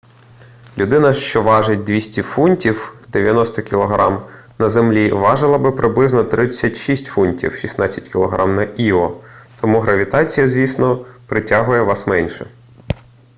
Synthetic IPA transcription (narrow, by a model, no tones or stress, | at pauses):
lʲʊd̪ɪnɐʃt͡ʃɔʋɑʒet̚ʲd̪ʲʋʲisʲtʲifunʲtʲiwd̪eʋʲjɐnɔst̪ɔkʲilˠɔɦɾɑm | nɐzemlʲiʋɑʒɪlˠɐbɪpɾɪblˠɪznɔt̪ɾɪt͡sʲːɐtʲʃisʲtʲfunʲtʲḭwʃisnɑt͡sʲːɐ̥tʲkʲɪlˠɔɦɾɑmnɐʔiɔt̪ɔmuɦɾɐʋʲit̪ɑt͡sʲijɐzʲʋʲisnɔpɾɪtʲaɦʊjɛʋɑsmɛnʲʃɛ